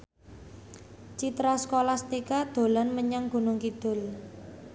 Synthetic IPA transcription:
t͡ʃit̪ɾasəkolahst̪ikad̪̥o̤lanməɲaŋɡ̥ṳnʊŋkid̪̥ʊ̤l

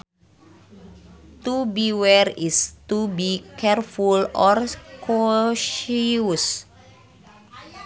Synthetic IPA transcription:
t̪ubiwɛrist̪ubikɛrfulɔrkʰoʃus

